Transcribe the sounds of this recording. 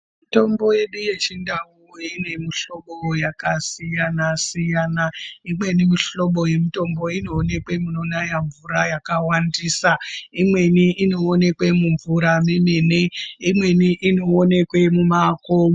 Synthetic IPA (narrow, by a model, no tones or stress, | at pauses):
mito̞mbo̞je̞ɗuje̞t͡ʃindauine̞miɬo̞ɓojakasijanasijanaimwe̞nimiɬo̞ɓo̞je̞mito̞mbo̞ino̞ːne̞kwe̞munonajaɱvuɾajakawandisaimwe̞niʔino̞ːne̞kwe̞muɱvuɾamimeneimwe̞niʔino̞ːne̞kwe̞mumakomo